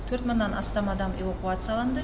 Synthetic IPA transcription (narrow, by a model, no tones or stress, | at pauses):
t̪ʰɵɾt̪mənːɑnʔɑ̰st̪ɑmɑd̪ɑmevakuat̪sɨjalˠɑnd̪ə